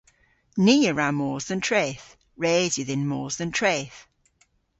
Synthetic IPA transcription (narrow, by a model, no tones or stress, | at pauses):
niːəɹamɔːzðə̃ntʰɹ̥eːθ | ɹeːzwɪðɪ̃nmɔːzðə̃ntʰɹ̥eːθ